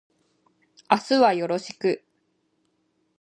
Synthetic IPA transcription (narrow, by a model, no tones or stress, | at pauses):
asɨβajo̞ɾo̞ɕi̥kɯ̟